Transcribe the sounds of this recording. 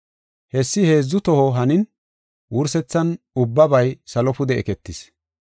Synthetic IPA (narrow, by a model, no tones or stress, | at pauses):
hɛsːɪhe̞ːzːʊt̪ɔhɔɦɐnɪn | wʊɾsɛt͡sːɐn | ʊbːɐbɐjsɐlɔpʊd̪ɛʔɛkɛt̪ːɪs